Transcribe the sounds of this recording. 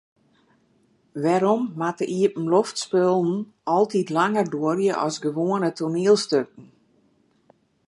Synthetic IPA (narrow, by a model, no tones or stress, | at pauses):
ʋɛɾɔmːatəʔiəpn̩loftspølˠn̩ | ɔlˠtitlaŋərdoərjəʔɔsɡəʋoːənətʰurniəlˠstøk̚ən̩